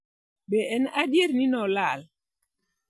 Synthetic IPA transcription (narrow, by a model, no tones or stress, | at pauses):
bɛɛnadjeɾninɔlal